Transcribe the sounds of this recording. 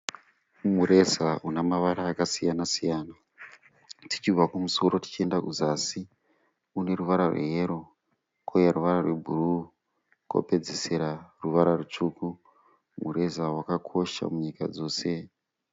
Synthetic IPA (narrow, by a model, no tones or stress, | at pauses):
muɾe̞zaunamaʋaɾaːkasijanasijaːna | tʰi̥t͡ʃivakumuso̞ɾo̞ti̥t͡ʃie̞ndakuzaːsi | une̞ruʋaɾarwe̞̰ɦeɾo̞ | kʰojaruʋaɾarwe̞bʱuru | ko̰pe̞d͡zeseɾaruʋaɾarut͡ʂuku | muɾe̞zawakakʰo̞ʃa̰muɲika̰d͡zo̞ːse̞